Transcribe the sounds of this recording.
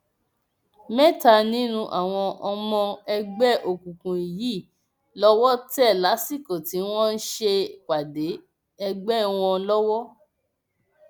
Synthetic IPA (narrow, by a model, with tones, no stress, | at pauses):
mɛ̃˦˨ta˧nĩ˦nũ˧ʔa˨w̃ɔ̃˧ʔɔ˧mɔ̃˧ɛ˧ɡ͡bɛ˦ʔo˨kũ˨kũ˨i˨ji˦˨ | lɔ˦wɔ˦tɛ˦˨la˨˦si˦˨kõ˨ti˨˦w̃ɔ̃˦n̩˦ʃe˧k͡pa˨de˨˦ | ɛ˧ɡ͡bɛ˦w̃ɔ̃˧lɔ˦wɔ˦